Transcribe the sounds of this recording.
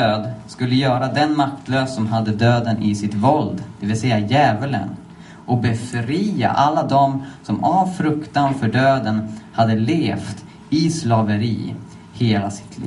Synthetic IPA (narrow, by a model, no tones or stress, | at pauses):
d̪øːd̪skɵlːəjœːɾad̪ɛnmak̚t̪løːsːɔmɦad̪ːəd̪øːd̪ənʔɪsɪt̪vɔld̪d̪̥ɛvɪlsɛjːajɛːvələ̰n | ʔɔk̚bɛfɾiːa̰ʔalːad̪ɔmsɔmavfɾɵkt̪anfœɖøːd̪ənhad̪ːəleːft̪ | ɪslɑːvəɾḭː | heːlasɪ̥t̪ʰlḭː